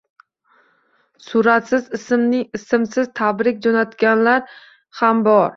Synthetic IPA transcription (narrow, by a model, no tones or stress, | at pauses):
sʊɾat̪sɪzɪsɪmnɪŋɪsɪmsɪzt̪ʰabɾɪkʲd͡ʒonat̪kʲanlaɾ | hambɒɾ